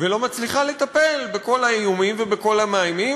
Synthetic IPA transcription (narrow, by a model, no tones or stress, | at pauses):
velo̞mat͡sliχale̞t̪ape̞lbeko̞laijumimve̞beko̞lamaajmi